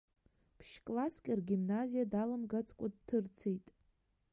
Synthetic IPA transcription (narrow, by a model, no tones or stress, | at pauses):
pʰʃkʼlaskʲʼɪrɡʲimnazijadalamɡat͡sʰʼkʷʼad̚tʰɨrt͡sʰejtʼ